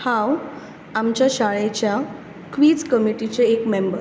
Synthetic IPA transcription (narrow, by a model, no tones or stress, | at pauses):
hãw | amt͡ɕjaɕaɭet͡ɕja | kʋiːd͡zkəmiʈit͡ɕeekmembəɾ